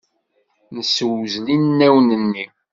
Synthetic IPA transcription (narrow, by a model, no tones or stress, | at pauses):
nəswzlinːæwnənːi